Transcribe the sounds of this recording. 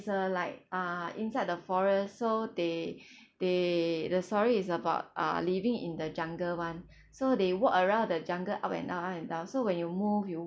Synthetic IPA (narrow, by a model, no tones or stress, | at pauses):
səlaɪk̚ʌḭ̃nsaɪd̚dəfɔɹəssode | d̥edəstɔɹiːs̬əbaʊt̚ʌ̰livĩŋḭ̃ndəd͡ʒãŋɡəwãn | sodewɔkəɹãʊ̃ndəd͡ʒãŋɡəʔapɛ̰̃ndãɛ̃ndãʊ̃nsowɛ̃njumufju